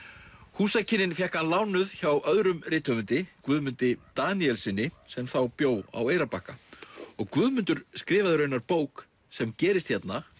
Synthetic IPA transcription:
huːsajcɪnɪnfjɛhkanlaːwnʏðçawʔœðɾʏmrɪːt̪ʰœmʏnt̪ɪkvʏːðmʏnt̪ɪt̪aːniɛlsɪnːɪsɛmθawpjoːwa̰weːjɾapahkaɔɣkvʏːðmʏnt̪ʏɾ̥skɾɪːvaðʏɾœɥnaɾpoːwk | sɛmcɛːɾɪst̪çjɛt̪na

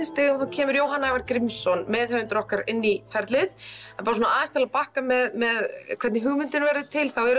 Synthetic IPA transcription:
ɪnst̪ɪːɣʏmθawcʰɛːmʏɾjoːwɦanavaɾkɾɪmsɔnmɛðhœvʏnt̪ɾɔhkaɾɪnːifɛɾt̪lɪθapaːɾas̬uɔnaaːðɪst̪alapahkamɛðmɛðkʰvɛɾt̪nɪɦʏɣmʏnt̪ɪnvɛɾðʏt̪ʰɪlθawɛɾʏ

